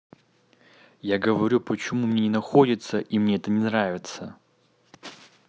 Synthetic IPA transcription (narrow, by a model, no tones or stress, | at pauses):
jaɡəvɐɾʲupət͡ɕɪmumnʲenʲɪnɐxodʲɪt̪səʔimnʲeɛt̪ənʲɪnravʲɪt̪sə